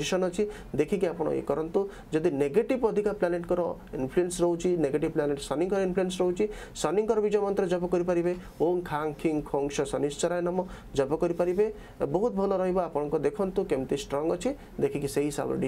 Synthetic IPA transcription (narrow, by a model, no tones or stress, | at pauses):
isɔnɔt͡ʃʰi | d̪ekʰikiapɔɽ̃ɔ̰ḛkɔɾɔnt̪u | d͡ʒɔd̪ineɡeʈibɔd̪ʱikaplaneʈkɔɾɔ | inpʰluensɾɔɦũt͡ʃʰineɡeʈibplaneʈsɔniŋkɔɾɔinpʰluensɾɔɦut͡ʃʰi | sɔniŋkɔɾɔbid͡ʒɔjmɔnt̪ɾɔd͡ʒɔbɔkɔɾipaɾibe | oŋkʰaŋkʰiŋkʰɔŋʃɔsɔnist͡ʃɔɾajnamɔ | d͡ʒɔbɔkɔɾipaɾibe | bɔɦut̪̚bʱɔlɔɾɔɦibɔapɔɽ̃ɔŋkɔd̪ekʰɔnt̪ukemt̪isʈɾɔŋɡɔt͡ʃʰi | d̪ekʰikiseɦisa̰b̰ɖi